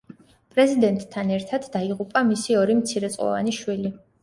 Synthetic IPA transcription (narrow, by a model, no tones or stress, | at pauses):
pʼɾɛzid̪ɛnt̪ʼʰːanɛɾt̪ʰad̪̥ːaiʁupʼamisiɔɾimt̪sʰiɾɛt̪sʼqʼɔ̰va̰niʃwili